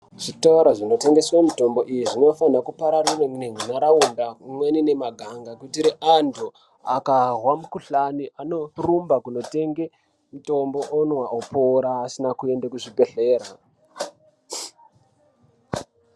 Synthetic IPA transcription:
ʐ̥itaaɾaʐino̞te̞ŋɡe̞swamito̞mbo̞ʔijiʐino̞fanakupaɾarireŋneŋinaɾaundamwenine̞maɡʱaŋɡakutiɾiʔantʰu | akarwamukuɬaniʔano̞rumbakuno̞te̞ŋɡe | muto̞mbo̞ʔonwaʔopoɾaːsinakue̞ndakuʐibe̞ɬe̞ːra̰

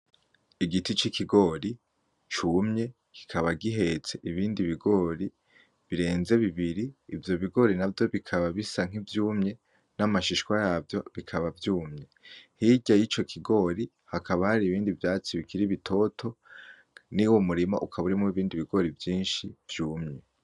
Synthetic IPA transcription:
iɡitit͡ʃikiɡo̞ːɾi | t͡ʃumɲe̞ | ki̥kʰaβaɡiɦe̞t͡se̞ʔiβiːndiβiɡo̞ːɾi | βiɾe̞ːnze̞βiβiɾiːvjo̞βiɡo̞ɾinavjo̞βikʰaβaβisaŋ̥ivjuːmɲe̞ | namaʃiʃkwajaːvjo̞βikʰaβavjuːmɲe̞hiɟajit͡ʃo̞kʰiɡo̞ːɾi | hakʰaβahaɾiβiːndivjaːt͡siβikʰiɾiβitʰo̞tʰo̞ | niwo̞muɾima̰ʔukʰaβuɾimuiβiːndiβiɡo̞ɾivjiːnʃiv̥juːmɲe̞

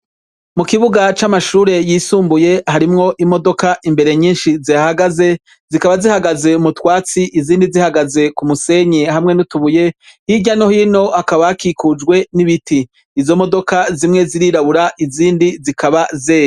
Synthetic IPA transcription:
mukiβuɡat͡ʃamaʃuːɾe̞jisuːmbuje̞haɾimŋo̞ʔimo̞do̞kaʔimbe̞ɾe̞ɲiːnʃizijahaɡaze̞ | zikaβazihaɡaze̞umutwaːt͡siʔiziːndizihaɡaze̞kumuse̞ɲeɦamŋe̞nutuβuje̞hiɟano̞hino̞akaβakikud͡ʒɡwe̞niβitiː | zo̞mo̞do̞kazimŋe̞ziɾiɾaβuɾaʔiziːndizikʰaβazeːj

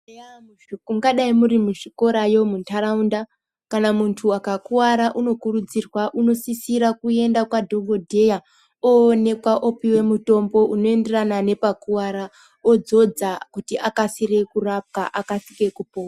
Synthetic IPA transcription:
ɡaɗaimuɾimuʐiko̞ɾajo̞muntʰaɾaunda | kanamuntʰuakakuwaɾaʔuno̞kurud͡zirwaʔuno̞sisiɾakue̞ndakwadʱo̞ɡʱo̞dʱe̞ja | oːne̞kwaʔopiwe̞muto̞mbo̞ʔuno̞e̞nde̞ranane̞pakuwaɾa | od͡zo̞d͡zakutiʔakasiɾe̞kurap̚kaʔakasike̞kupoːa

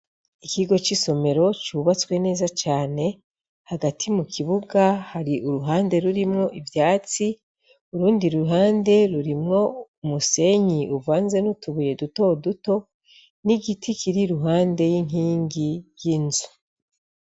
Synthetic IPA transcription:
ikiɡo̞t͡ʃiso̞me̞ɾo̞t͡ʃuβat͡swe̞ne̞ːzat͡ʃaːne̞ | haɡatʰimukʰiβuɡahaɾiʔuɾuɦaːnde̞ɾuɾimŋo̞ʔivjaːt͡si | uɾuːndiɾuuɦaːnde̞ɾuɾimŋo̞umuse̞ɲiʔuvaːnze̞nutuβuje̞duto̞duto̞ | niɡitʰikʰiɾiɾuɦaːnde̞jiŋɦiːŋɡijjinzu

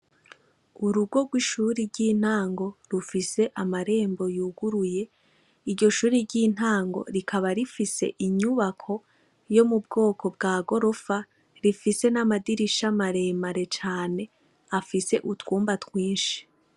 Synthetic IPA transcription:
uɾuɡo̞ɡwiʃuːɾiɾɟin̥haːŋɡo̞ɾufise̞ʔamaɾe̞ːmbo̞juːɡuɾuje̞ | iɾɟo̞ʃuːɾiɾɟiːn̥aːŋɡo̞̰ɾikʰaβaɾifise̞̰ʔiɲuβakʰo̞ | jo̞mubɡo̞ːkʰo̞bɡaːɡo̞ɾo̞fa | ɾifise̞namadiɾiʃamaɾe̞ːmaɾe̞t͡ʃaːne̞ | afise̞ʔutwuːmbatwiːnʃi̥

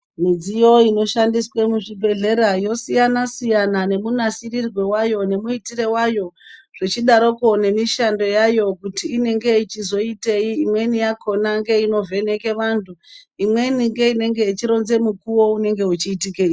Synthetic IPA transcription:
mid͡zijo̞ino̞ʃandiswe̞muʐibʱe̞ɮe̞ɾajo̞sijanasijanane̞munasirirwe̞wajo̞ne̞muitiɾe̞wajo̞ʐ̥et͡ʃiɗaɾo̞ko̞ne̞miʃando̞jajo̞kutiːne̞ŋɡe̞it͡ʃizo̞ite̞iːmwe̞nijakʰo̞naŋɡe̞ino̞vʱe̞ne̞ke̞ʋantʰuimwe̞niŋɡe̞ine̞ŋɡe̞it͡ʃiɾo̞nze̞mukuwo̞une̞ŋɡe̞ut͡ʃiːtikei

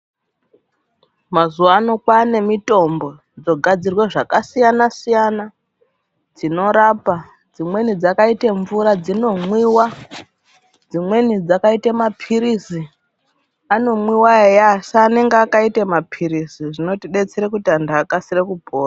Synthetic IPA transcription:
mazuwaːnokwane̞mito̞mbo̞ | d͡zo̞ɡʱad͡zirweʐakasijanasijana | d͡zino̞ɾaːpa | d͡zimwe̞nid͡zakaiteɱvuɾad͡zino̞mwiːwa | d͡zimwe̞nid͡zakaitemapʰiɾisi | ano̞mwiwaejasaːne̞ŋɡeakaitemapʰiɾisiʐino̞tiɗe̞t͡seɾekutiandaːkasirekubʱoːra

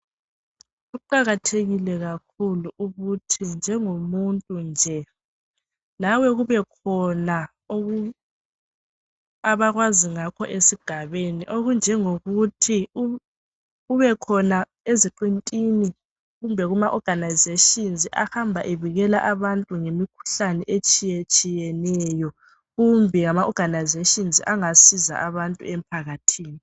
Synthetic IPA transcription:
ɣuǃaɣatʰeɣilɛɣakʰuluuɣutʰind͡ʒʱɛŋomuntʼund͡ʒʱɛ | lawɛɣuβɛkʰɔna | oɣu | aβaɣwaziŋakʰɔʔesiɡ̥ʱaβeniʔoɣund͡ʒʱɛŋoɣutʰi | uβɛkʰɔna | eziǃintʼini | ɣumbʱɛɣumaʔɔɡ̥ʱanajzeʃinziʔahambʱaʔeβiɣɛla̰ʔaβantʼuŋemikʰu̥ɬanɛʔet͡ʃʼijet͡ʃʼijɛnɛjɔ | ɣumbʱɛŋamaʔɔɡ̥ʱanajzeʃinziʔaŋasiza̰ʔaβantʼṵɛm̩pʰaɣatʰiːni

